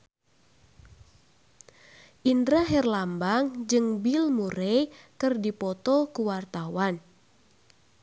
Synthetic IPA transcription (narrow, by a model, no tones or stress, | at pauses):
ʔindɾaɦɛrlambaŋd͡ʒɨŋbilmuɾejkɨrdipɔt̪ɔkuwart̪awan